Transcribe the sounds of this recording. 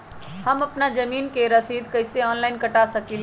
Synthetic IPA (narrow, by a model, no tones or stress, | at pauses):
hɐmɐpnad͡ʒɐmiːnkeɾɐsiːd̪kɐɪseɔːnlaːɪnkɐʈasɐkil